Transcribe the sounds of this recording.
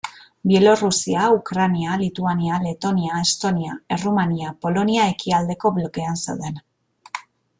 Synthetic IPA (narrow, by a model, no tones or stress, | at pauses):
bije̞lo̞rusiaukɾanialit̪uaniale̞t̪o̞niaest̪o̞niae̞rumaniapo̞lo̞niae̞kiald̪e̞ko̞βlo̞ke̞ansḛwðe̞n